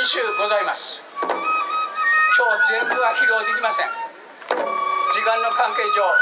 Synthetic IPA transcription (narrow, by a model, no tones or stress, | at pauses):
ĩɕɨːɡo̞zaimasɨ̥ | kʲo̞ːzẽ̞mbɯβaçiɾʲo̞ːd̪e̞kʲimasẽ̞ŋ | d͡ʑikãnːokãŋke̞ːd͡ʑo̞ː